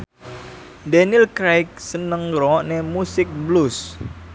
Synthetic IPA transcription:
dɛnilkɾajk̚sənəŋɾɔnemusɪk̚blus

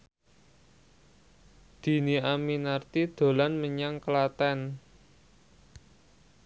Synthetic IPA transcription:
d̪̥i̤niaminart̪id̪̥o̤lanməɲaŋkəlat̪ɛn

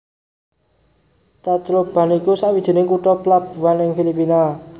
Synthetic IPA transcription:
t̪at͡ʃlob̥a̤nikusaʔwid̥ʒ̥e̤nɪŋkuʈɔplab̥ṳwanɪŋfilipina

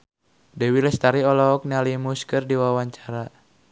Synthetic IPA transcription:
dɛwilɛst̪aɾiɔlɔːk̚nialimuskɨrdiwawaɲt͡ʃaɾa

